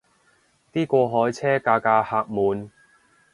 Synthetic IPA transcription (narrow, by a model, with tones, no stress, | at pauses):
t̪iː˥kʷɔː˧ɦɔː˨˥jt͡sʰɛː˥kaː˧kaː˧haː˧k̚muː˨˧n